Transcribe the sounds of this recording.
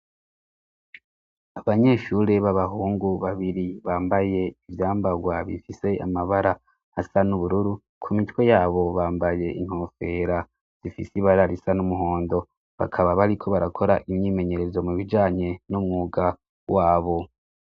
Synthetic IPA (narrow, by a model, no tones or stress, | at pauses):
aβaɲe̞ːʃuɾe̞βaβaɦuːŋɡuβaβiɾiβaːmbaje̞ivjaːmbaɡwaβḭfise̞a̰maβaɾaː | sanuβuɾuɾu | kʰumitwe̞jaːβo̞βaːmbaje̞ʔin̥hofe̞ɾa | z̥ifisiβaɾaɾisanumuɦo̞ːndo̞ | βa̰kʰaβaβaɾikʰo̞βaɾakʰo̞ɾaʔimɲiːme̞ɲe̞ɾe̞zomuβid͡ʒaːɲe̞numŋuːɡa | waːβo̞